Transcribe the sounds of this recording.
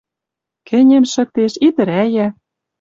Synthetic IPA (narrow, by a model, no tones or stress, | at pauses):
kɘ̆nʲemʃɤ̆k̚t̪eʃit̪ɘ̆ɾæjæ